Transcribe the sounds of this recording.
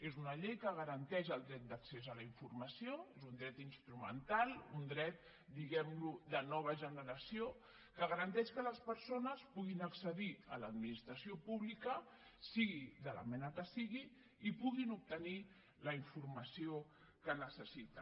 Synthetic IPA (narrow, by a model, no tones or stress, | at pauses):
ezunəʎejkəɣ̞əɾənt̪ɛʒəlˠd̪ɾɛt̪̚d̪əksezələiɱfurməsioezund̪ɾɛt̪inst̪ɾumə̰nt̪alˠund̪ɾɛt̪̚ | d̪iɣɛmlud̪ənɔβ̞əʒənəɾəsio | kəɣəɾənt̪ɛʃkələspəɾsonəspuɣ̞inəksəðiə̰ləd̪minist̪ɾəsiopuβlikə | siɣiðələ̰mɛnəkəsiɣiː | puɣinup̚t̪əni | ləiɱfurməsio | kənəsəsit̪ə